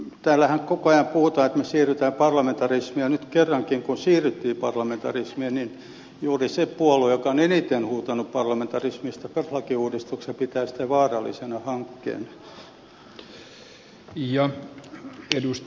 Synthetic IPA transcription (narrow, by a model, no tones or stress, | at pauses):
t̪æːlːæhæŋkokoɑjɑmpuhut̪ɑːet̪mesiːryt̪æːpɑrlɑment̪ɑrismiænyt̪kerːɑŋkiŋkunsiːryt̪ːiːpɑrlɑment̪ɑrismienin | juːrisepuolujokɑonenit̪enhuːt̪ɑnuppɑrlɑment̪ɑrismist̪ɑperhlɑkiuːdist̪uksepit̪æːsĭ̥t̪æʋɑːrɑlːˑḭsenɑhɑŋkːḛːn | jɑ | edust̪